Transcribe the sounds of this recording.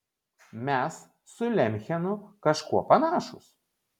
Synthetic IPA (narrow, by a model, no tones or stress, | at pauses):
mʲɛsː | ʊlʲɛmʲxʲɛnʊkɐʃkuɔpɐnɑːʃʊ̰s